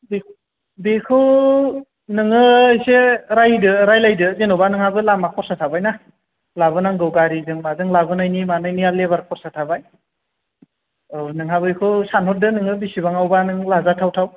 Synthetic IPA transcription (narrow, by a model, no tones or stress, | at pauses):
be | bikʰɯw | nɯŋɯjseɾajdɯɾajlajdɯzenobanɯŋhabɯlamakʰɔɾsatʰabajna | labɯnaŋɡɯwɡaɾizɯŋmazɯŋlabɯnajnimanɯjnialeβaɾkʰɔɾsatʰabaj | nɯŋɦabɯjkʰɯsanɦɔt̚dɯnɯŋɯbisibaŋawbanɯŋlazatʰawtʰaw